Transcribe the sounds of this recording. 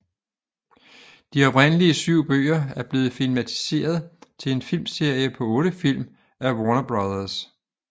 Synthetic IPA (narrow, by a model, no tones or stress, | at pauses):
d̥iɒ̽b̥ʁen̰əliəsyʊ̰b̥ø̰ːɐæɐb̥le̝ːð̞̩ˠfilmæt͡sʰi̥se̝̰ːɐð̞ˠt͡sʰe̝le̝nfilmse̝ɐ̰jəpʰɒ̽ɔ̽ːɾ̥əfil̰m | æwɒnɐb̥ʁɑðˠɐs